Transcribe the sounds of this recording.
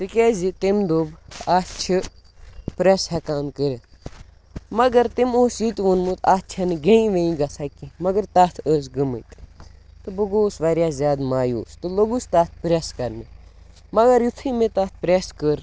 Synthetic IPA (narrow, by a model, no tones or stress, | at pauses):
t̪ɨkʲeːzit̪emd̪oːbaːt͡ʃʰi | pɾeshɛkaːnkəɾe | mɐɡɐɾt̪imoːsjit̪ʋunmut̪ʰaːt͡ʃʰɐnɨɡẽĩʋẽĩɡɐsʰɐkimɐɡɐɾt̪aːt̪ʰəs̬ɡəmət̪t̪ɨbɨɡoːsʋɐɾjaːzʲjaːd̪maːjo̰ːst̪ɨloɡust̪at̪̚ʰpɾʲeskɐɾnɨ | mɐɡɐɾjit̪ʰimet̪ɐt̪̚ʰpɾeskəɾ